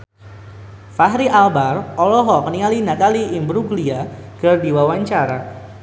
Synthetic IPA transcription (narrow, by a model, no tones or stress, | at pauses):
faɦɾiʔalbarɔlɔɦɔkəniŋalinat̪aliʔːmbɾuɡliakərdiwawaɲt͡ʃaɾa̰